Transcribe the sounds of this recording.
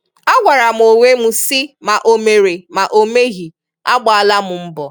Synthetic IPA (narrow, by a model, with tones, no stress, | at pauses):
a˦ɡʷa˨ɾa˨m̩˨o˨wʷe˦mu˦si˦ma˨ʔo˨me˨ɾe˨ma˨ʔo˦me˦ɣi˨ | a˦ɡ͡ba˨a˨la˦mʊ˨m̩˦bɔ˨